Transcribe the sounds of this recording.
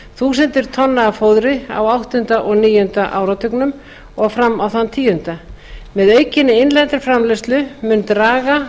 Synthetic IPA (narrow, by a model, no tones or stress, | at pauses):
θuːsɛnt̪ɪɾ̥t̪ʰɔnːaafowðɾɪa̰wawht̪ʏnt̪aʔɔɣniːjʏʏnt̪aʔaːwɾat̪ʰʏknʏm | ɔɣfɾamːawθant̪ʰiːjʏnt̪amɛðœːɥcɪnːɪejnlɛnt̪ɪɾ̥fɾamlɛst̪lʏmʏnt̪ɾaːɣa